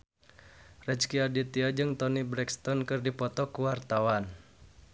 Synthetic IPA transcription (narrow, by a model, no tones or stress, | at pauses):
rɛt͡ʃkiadit̪iad͡ʒɨŋt̪ɔnibɾɛkst̪ɔnkɨrdipɔt̪ɔkuwart̪awan